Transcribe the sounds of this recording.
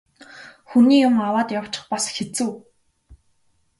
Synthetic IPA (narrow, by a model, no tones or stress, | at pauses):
xuniːjʊmawaːt̪jaw̥t͡ɕɪ̥̆χpasxet͡sɘ̆w